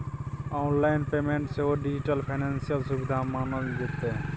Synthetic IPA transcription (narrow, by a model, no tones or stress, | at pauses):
aːnlaːɪnpeːmẽːɳʈseoːɖɪd͡ʒɪʈəlpʰaːnẽːnsijəlsʊbɪd̪ʱaːmaːnəld̪ɪt̪ːe